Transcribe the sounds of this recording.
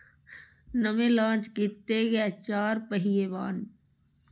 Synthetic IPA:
nəmẽlãːt͡ʃkit̪ːeɡɛt͡ʃaːɾpəɦijeːʋaːn

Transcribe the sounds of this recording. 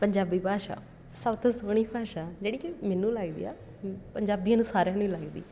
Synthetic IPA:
pəɲd͡ʒaːbiːbʱaːʃa̰ː | sət̪õsoːɽ̃iːbʱaːʃaːd͡ʒeːɽiːkɪmɛːnũːlaːɡid̪ḭːa̰ː | pəɲd͡ʒaːbijãːnũːsaːɾẽːnũːilaːɡid̪ḭː

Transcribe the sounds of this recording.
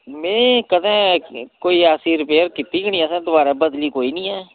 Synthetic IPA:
mɛ̃ːkəd̪ɛ̃ːkoːiːaːsiːɾɪpeːəɾkɪt̪ːiːɡəɳĩːɛːsɛ̃ːd̪ʊbaːɾaːbəd̪liːkoːiːnĩːɛː

